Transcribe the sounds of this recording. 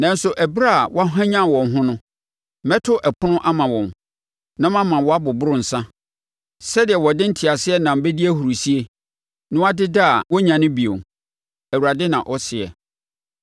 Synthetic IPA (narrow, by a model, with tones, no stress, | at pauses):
nã˨n̩˦sʊ˨ʔæ˨bɾa˦˨wʔɔ˦a˦ɦã˦ɲã˦˨wɔ̃˨nɦʊ̃˦nʊ̃˦ | mɛ˦tʰʊ˦ʔɛ˨pʰʊ˦nʊ̃˦ʔa˦mã˨wɔ̃˨n | nã˦mã˦mã˨wɔ˨a˦bʊ˨bʊ˦ɾʊ̃˦n̩˨sã˦ | sɛ˦dɪ˨ɛ˨wɔ˨dɪ̃˦n̩˦tʰi˨a˨sɪ˦ɛ˦nã˨m̩˦bɛ˦di˦æ˦hu˨ɾu˨si˦e˦ | nʊ̃˦wa˦dɪ˦dɪ˦a˨wɔ˦ɲã˨nɪ̃˦bi˨o̰˨ | æ˨wu˨ɾa˨dɪ˦nã˨ʔɔ˦sɪ˨ɛ̰˨